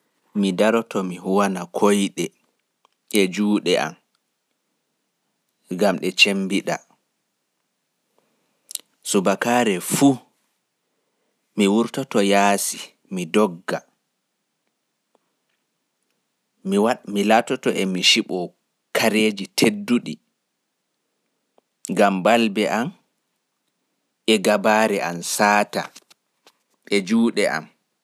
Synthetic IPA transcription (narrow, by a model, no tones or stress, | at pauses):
midaɾɔtɔmiɦuwanakʰojɗɛ | ʔɛd͡ʒuːɗɛʔa̰m | ɡamɗɛt͡ʃembiɗa̰ | subakaːɾɛfu | miwuɾtɔtɔjaːsi | midɔɡːa | wamilatɔtɔʔɛmiʃiɓɔ | kʰaɾeːd͡ʒitʰedːuɗḭ | ŋɡambalbɛʔam | ɛɡabaːɾɛʔansaːta | ɛd͡ʒuːɗɛʔa̰m